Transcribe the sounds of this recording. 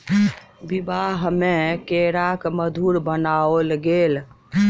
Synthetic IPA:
bibaɦmekeɾakməd̪ʱuɾbənaolɡeːl

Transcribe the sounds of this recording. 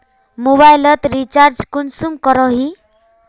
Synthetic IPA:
moβajlʌt̪ɾit͡ʃaɾd͡ʒkunsumkɔɾɔɦi

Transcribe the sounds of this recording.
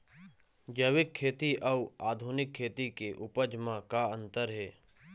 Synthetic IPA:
d͡ʒəʋɪkʰːeːt̪iʔɐuaːd̪ʱunɪkʰːeːt̪ikeʔʊpəd͡ʒmãkaə̃nt̪əɾɦeː

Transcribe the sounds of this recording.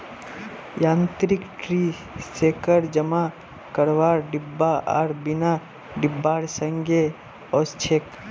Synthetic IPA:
jãnt̪ɾikʈɾi | sekəɾd͡ʒəma | kəɾʋaɾɖibːaʔa̰ɾbina | ɖibːaɾsəŋɡe | ɔst͡ʃʰek

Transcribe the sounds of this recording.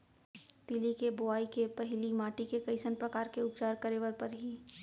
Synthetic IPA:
t̪ɪlikebʊaːikepɐɦɪlimaːʈikekɐɪsənpɾɐkaːɾkeʊpt͡ʃaːɾkɐɾeːʋəɾpɐɾɦiː

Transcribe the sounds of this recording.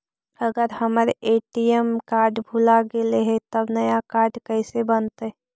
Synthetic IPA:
ɐɡəɾhəmɾʔeːʈijemkaːɾɖbʱulaɡeleɦet̪əbnɐjakaːɾɖkəːsebənt̪ɦɛ

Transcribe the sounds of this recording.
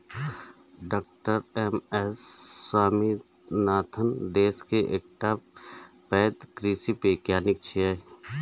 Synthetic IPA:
ɖaːk̚ʈəɾeːmɛsːaːmi | naːt̪ʰənd̪eːskeʔeːk̚ʈaːp | pɛːt̪kɾiːsipeːkjaːnɪk̚t͡ʃʰiɛ

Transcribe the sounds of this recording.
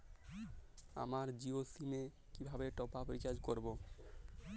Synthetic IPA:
a̰maɾd͡ʑiosime | kibʱabeʈɔpapɾit͡ɕad͡ʑkoɾbo

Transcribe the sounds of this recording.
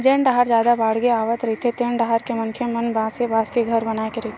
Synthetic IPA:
d͡ʒeːɳɖaɦaɾd͡ʒjaːd̪abaːɽɡeaːʋət̪ɾɐɦit̪ʰet̪eːɳɖaɦaɾkemɐnkʰemɐnbaːsebaːskeɡʱəɾbɐnaːekeɾɐɦit̪ʰe

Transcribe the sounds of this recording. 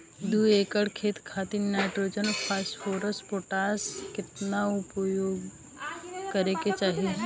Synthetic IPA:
d̪uːeːkəɽkʰeːt̪kʰaːt̪inaːɪʈɾoːd͡ʒənpʰasʈfʰoːɾəspoːʈaːskɪt̪naʊpjoːɡ | kəɾeket͡ʃaːɦi

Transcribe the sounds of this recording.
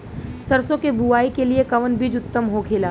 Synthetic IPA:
sɐɾsõkebuaːikeliekɐʋənbʱid͡ʒʊt̪ːəmɦokʰeːlaː

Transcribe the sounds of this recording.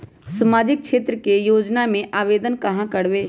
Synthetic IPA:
səmaːd͡ʒɪk̚kʃʰeːt̪ɾəkejoːd͡ʒnamẽʔaːʋeːd̪ənkɐɦãkəɽʋeː

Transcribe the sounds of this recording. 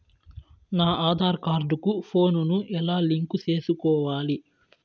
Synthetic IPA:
naːʔaːd̪ʱaːɾkaːɾɖukupʰo̞ːnunuʔɛlaːliŋkut͡ʃe̞ːsukɔːʋaːli

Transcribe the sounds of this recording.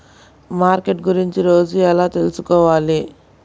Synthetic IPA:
maːɾkeʈɡuɾiɲt͡ʃiɾo̞ːd͡ʒuɛlaːt̪e̞lusukɔːʋaːli

